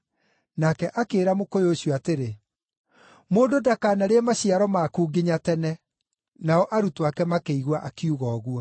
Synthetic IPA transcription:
nakɛʔakeːɾamokojeoɕjoateɾe | moːndodakaːnaɾeɛmaɕiaɾɔmaːkuːɡeɲatɛnɛ | naɔʔaɾutowakɛmakeiɣwaʔakiuɣɔːɣwɔ

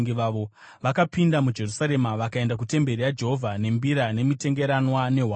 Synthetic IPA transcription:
ŋɡiʋaːʋo̞ | ʋakapindamud͡ʒe̞rusaɾe̞maʋakae̞ndakute̞mbe̞ɾijad͡ʒe̞ɦo̞vʱane̞mbiɾane̞mite̞ŋɡe̞ɾanwane̞ɦwa

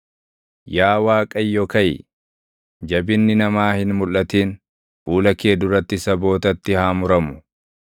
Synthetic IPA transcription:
jaːwaːkʼɐjːɔkɐjɪ̰ | d͡ʒɐbɪnːɪnɐmaːhɪnmʊlːɐt̪iːn | fuːlɐke̞ːd̪ʊɾɐt̪ːɪsɐbo̞ːt̪ɐt̪ːɪhaːmʊɾɐmʊ

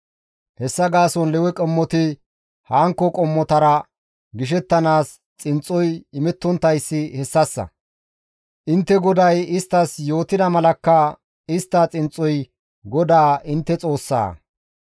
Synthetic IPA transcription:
hɛsːɐɡaːsɔnlɛwɛkʼɛmːɔt̪ɪ | haːŋkːɔkʼɔmːɔt̪ɐɾɐ | ɡɪʃ̬ɛt̪ːɐnaːs | t͡sʼɪnt͡sʼːɔjɪmɛt̪ːɔnt̪ːɐjsːɪhɛsːɐsːɐ̰ | ʔɪnt̪ːɛɡɔd̪ɐjɪst̪ːɐsjo̞ːt̪ɪd̪ɐmɐlɐkːɐ | ɪst̪ːɐt͡sʼɪnt͡sʼːɔj | ɡɔd̪aːʔɪnt̪ːɛt͡sʼo̞ːsːa̰ː

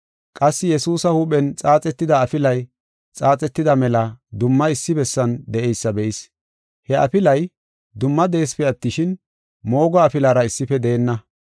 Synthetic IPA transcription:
kʼɐsːɪjɛsuːsɐhuːpʼɛnt͡sʼaːt͡sʼɛt̪ːɪd̪ɐːfɪlɐj | t͡sʼaːt͡sʼɛt̪ːɪd̪ɐmɛlɐd̪ʊmːɐɪsːɪbɛsːɐnd̪ɛʔɛjsːɐbɛʔis | hɛʔɐ̰fɪlɐj | d̪ʊmːɐd̪e̞ːspɛɐt̪ːɪʃɪn | mo̞ːɡɔːfɪlaːɾɐɪsːɪfɛd̪eːnːɐ

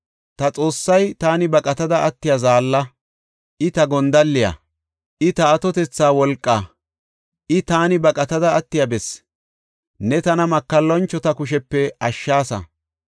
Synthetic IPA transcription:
t̪ɐt͡sʼo̞ːsːɐjt̪aːnɪbɐkʼɐt̪ɐd̪ɐʔɐt̪ːɪjazaːlːɐ | ʔɪt̪ɐɡɔnd̪ɐlːɪjɐ̰ | ʔɪt̪ɐːt̪ɔt̪ɛt͡sːaːwɔlkʼːaː | ʔɪt̪aːnɪbɐkʼɐt̪ɐd̪ɐːt̪ːɪjɐbɛs | nɛt̪ɐnɐmɐkːɐlːɔnt͡ʃːɔt̪ɐkʊʃɛpːɛʔɐʃːaːsɐ̰

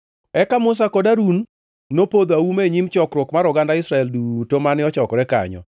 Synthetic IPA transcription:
ɛkamʊs̬akɔdaɾunː | opod̪aumeɲimt͡ʃɔkɾwɔkmaɾɔɡandaɪsɾaɛldutomanɪɔt͡ʃɔkɔɾɛka̰ɲɔ̰

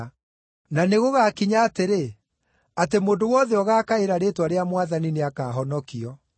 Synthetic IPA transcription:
naneɣoɣaːkiɲaːteɾe | atemoːndowɔðɛɔɣaːkaeɾaɾetwaɾeamwaðanineakaːɦɔnɔkiɔ

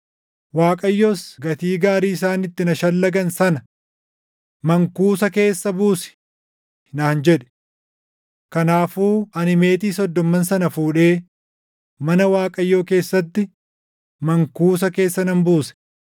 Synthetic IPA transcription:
waːkʼɐjːoːsɡɐt̪iːɡaːɾiːɪs̬aːnɪt̪ːɪnɐʃɐlːɐɡɐnsɐnɐ | mɐŋkuːsɐke̞ːsːɐbuːsɪ̥ | naːnd͡ʒɛᶑɛ̥ | kɐnaːfuːɐnɪme̞ːt̪iːsɔd̪ːɔmːɐnsɐnɐfuːᶑe̞ː | mɐnɐwaːkʼɐjːo̞ːke̞ːsːɐt̪ːɪ | mɐŋkuːs̬ɐke̞ːsːɐnɐmbuːsɛ̥

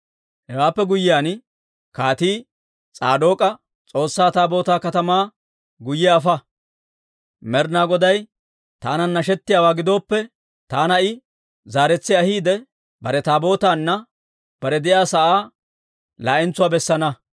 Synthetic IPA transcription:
hɛwaːpːɛɡʊjːɪjaːn | kaːt̪iː | t͡sʼaːd̪o̞ːkʼɐ | t͡sʼo̞ːsːaːt̪aːbo̞ːt̪aːkɐt̪ɐmaː | ɡʊjɛɐfɐ | mɛɾnaːɡɔd̪ɐj | t̪aːnɐnːɐʃ̬ɛt̪ːɪjaːwaːɡɪd̪o̞ːpːɛ | t̪aːnɐɪ | zaːɾɛt͡sːɪɐhiːd̪ɛ | bɐ̰ɾɛt̪aːbo̞ːt̪aːnːɐ | b̥ɐɾɛd̪ɪjaːsɐʔaː | laːʔɪnt͡sːʊwaːbɛsːɐnɐ

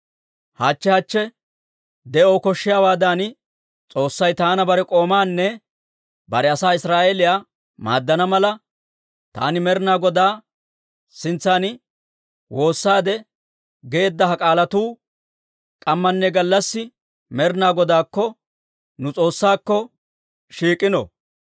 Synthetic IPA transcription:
haːt͡ʃːɛhɐt͡ʃːɛ | d̪ɛʔoːkɔʃːɪjawaːd̪aːn | t͡sʼo̞ːsːɐjt̪aːnɐbɐɾɛkʼo̞ːmaːnːɛ | bɐɾɛɐsaːɪsɾaːʔeːlɪjaː | ma̰ːd̪ːɐnɐmɐlɐ | t̪a̰ːnɪmɛɾnaːɡɔd̪aː | sɪnt͡sːaːnɪ | wo̞ːsːaːd̪ɛ | ɡeːd̪ːɐɦɐkʼaːlɐt̪uː | kʼɐmːɐnːɛɡɐlːɐsːɪ | mɛɾɪnaːɡɔd̪aːkːɔ | nʊt͡sʼo̞ːsːaːkːɔ | ʃiːkʼːɪnɔ̰

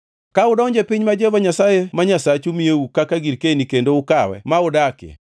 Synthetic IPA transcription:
kaʊdɔɲd͡ʒepɪɲmad͡ʒevaɲasajemaɲasat͡ʃumijeukakaɡiɾkenikendoʊkawɛ̰maʊdakɛ̰

